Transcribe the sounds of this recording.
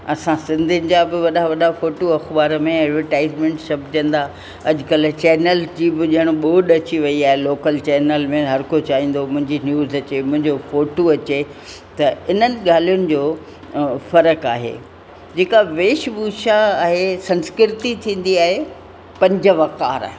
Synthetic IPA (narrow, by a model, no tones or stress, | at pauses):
ɐsãsɪ̃nd̪ʱɪnɪ̆d͡ʑabɪʋɐɗaʋɐɗafoːʈoɐxbaːɾəmẽɛːɖʋəɾʈaːɪzmẽːɳʈsɐbʱɪd͡ʑə̃nd̪aː | ɐʄʊkɐlt͡ɕɛːnəld͡ʑiːbɪʄɐɽ̃oɓoːɗɐt͡ɕiʋɐiaːɦeloːkəlt͡ɕɛːnəlmẽɦɐɾkot͡ɕaːɦĩːn̆d̪omʊ̃ɦɪ̃ɲd͡ʑinjuːzɐt͡ɕemʊ̃ɦɪ̃ɲd͡ʑofoːʈoɐt͡ɕe | t̪ɐɪnənɪ̆ɠaːl̤ijʊnɪ̆d͡ʑoː | fɐɾəkaːɦḛ | d͡ʑeːkaʋeːʃbuːʃaaːɦesɐ̃nskɪɾɪt̪it̪ʰĩːn̆d̪iaːɦe | pɐ̃ɲd͡ʑəʋɐkaːɾa̰ːɦ